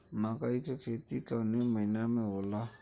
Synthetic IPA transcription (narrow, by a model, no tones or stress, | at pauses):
makaikɛketikanemãinamɛola